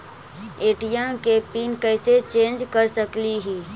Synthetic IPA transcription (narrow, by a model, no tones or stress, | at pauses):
eːʈijãkepinkəɪset͡ʃẽːnd͡ʒkəɾsəkliɦiː